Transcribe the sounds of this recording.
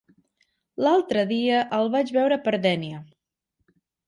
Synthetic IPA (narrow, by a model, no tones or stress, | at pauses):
lalˠt̪ɾəðiəʔəlˠβad͡ʒβɛwɾəpəɾd̪ɛniə